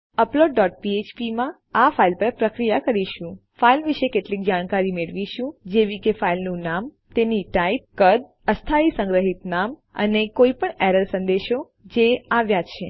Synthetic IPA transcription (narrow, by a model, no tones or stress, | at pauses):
əploɖːɔʈ̚piet͡ʃpimã | afailpəɾpɾəkɾijakəɾiʃũ | failʋiʃekeʈlik̚d͡ʒaɽ̃kaɾimeɭʋiʃũd͡ʒeʋikefailnũnam | t̪eniʈaip̚kəd̪̚ | əst̪ʰaisə̃ŋɡɾəɦit̪nam | ə̰nekoipəɳɛɾəlsənd̪eʃo | d͡ʒeaʋjat͡ʃʰe